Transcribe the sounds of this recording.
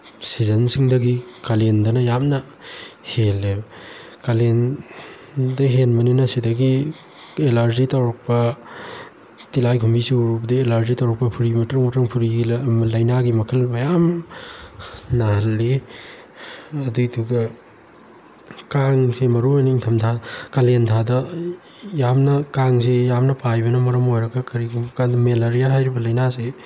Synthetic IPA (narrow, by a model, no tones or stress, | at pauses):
sizɐnsiŋdɐɡikalendɐnɐjamnɐ | helːe | kalen | dɐɦenmɐninɐsidɐɡi | elaɾd͡ʒitawɾɐk̚pɐ | tilajkʰumbisuɾupdielaɾd͡ʒitawɾɐk̚pɐpʰuɾimɐtɾmutɾɐŋpʰuɾiɡimlajnaɡimɐkʰɐlmɐjam | nɐɦɐlːe | ɐdutʰuɡɐ | kaŋsemɐɾuaniŋtʰɐmtʰakɐlentʰadɐ | jamnɐkaŋsejamnɐpʰajbɐnɐmɐɾɐmojɾɐɡɐkɐɾikʰukadmelaɾijaɦajɾibɐlɐjnase